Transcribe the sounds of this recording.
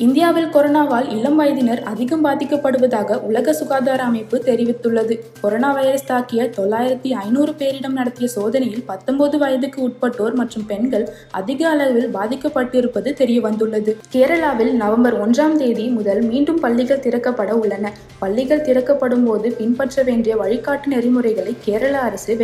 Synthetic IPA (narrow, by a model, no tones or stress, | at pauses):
ɪnd̪ɪjaːʋɪlkɔɾɔnaːʋaːlɪlːɐmʋaːjɐðɪnɐɾɐ̰ðɪɣɐmbaːðɪkːɐpːɐɽɯʋɐðaːɣɐʔʊlɐɣɐsʊɣaːðaːɾɐːmɐɪpːɯt̪ɛɾɪʋɪt̪ːɯɭːɐðɯkɔɾoːnaːʋɐjɾɐst̪aːkɪjɐt̪ɔɭːaːjɪɾɐt̪ːiɐɪnuːrɯpeːɾɪɽɐmnɐɽɐt̪ːɪjɐsoːðɐnɐjɪlpɐt̪ːɔmbɐðɯʋɐjɐðɯkːɯʊʈ̚pɐʈːoːɾmɐʈrɯmpɛɳɡɐɭ | ɐ̰ðɪɣɐɐɭɐʋɪlbaːðɪkːɐpːɐʈːɪɾɯpːɐðɯt̪ɛɾɪjɐʋɐnd̪ɯɭːɐðɯkeːɾɐɭaːʋɪlnɐʋɐmbɐɾɔndraːmt̪eːðimʊðɐlmiːɳɖɯmpɐɭːɪɣɐɭt̪ɪɾɐkːɐpːɐɽɐʊɭːɐnɐ | pɐɭːɪɣɐɭt̪ɪɾɐkːɐpːɐɽɯmpoːðɯpɪnpɐʈrɐʋeːndrɪjɐʋɐɻɪkːaːʈːɯnɛɾɪmɯrɐɪɣɐɭɐɪkːeːɾɐɭaːɐɾɐsɯʋ